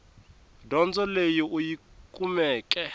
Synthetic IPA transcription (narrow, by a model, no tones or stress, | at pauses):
dɔnd͡zɔlejiʔujikʼumɛːkʼɛ